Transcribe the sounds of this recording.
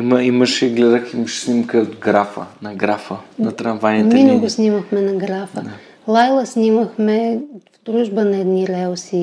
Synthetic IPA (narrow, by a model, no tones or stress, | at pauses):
imɐimɐʃɛɡlɛd̪ɐkimɐʃɛ̥snimkəot̪ɡɾafə̰nɐɡɾafənɐt̪ɾɐnvajniminɛɡosnimɐxmɛnɐɡɾafəd̪ | lˠajlˠɐsnimɐxmɛvd̪ɾuʒbɐnɐɛd̪niɾɛlsi